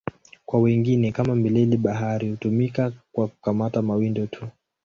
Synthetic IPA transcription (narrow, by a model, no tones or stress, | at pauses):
kwawɛŋɡinɛkamamilɛliɓaɦaɾihutumikakwaku̥kamatamawindɔtʰu